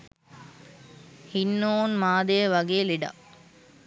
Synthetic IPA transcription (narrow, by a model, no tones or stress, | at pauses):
hinːoːnmaːd̪ejəʋɐɡeːliɖa̰